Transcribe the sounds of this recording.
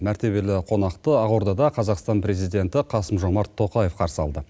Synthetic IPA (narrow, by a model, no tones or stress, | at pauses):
mæɾt̪e̞βe̞lɪqʰo̞nɑqt̪əɑʁoɾd̪ɑd̪ɑqʰɑzɑqst̪ɑnpɾe̞zijd̪e̞nt̪ɪqʰɑsəmʒo̞mɑɾt̪ʰːo̞qɑje̞fqʰɑɾsəɑ̰lˠd̪ə